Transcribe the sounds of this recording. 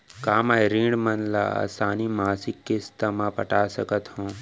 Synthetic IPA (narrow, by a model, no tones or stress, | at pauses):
kaːmajɾĩːɖmɐnla̰a̰saːnimaːsikːest̪ɐmãpɐʈaːsɐkət̪hõː